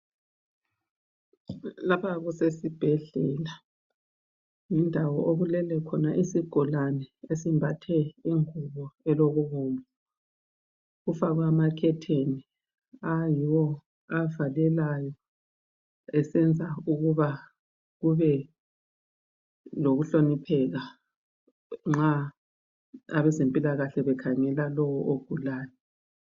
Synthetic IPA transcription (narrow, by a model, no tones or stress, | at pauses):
laβaɣusesib̥ʱɛɮɛla | ŋindʱawɔʔoɣulɛlɛkʰɔnaʔisiɡ̥ʱɔlanɛesimbʱatʰɛiŋuβɔɛloɣuβɔːmʱɔ | ɣufaɣwamakʰɛtʰeni | ajiwɔ | avalɛlajɔ | ɛsɛnd͡zʱauɣuβa | ɣuβɛ | loɣuɬonipʰɛɣa | ŋ͡ǁa | aβɛzempʼilaɣaɬɛβɛkʰaŋɛlalɔwɔʔoɡ̥ʱulaːjɔ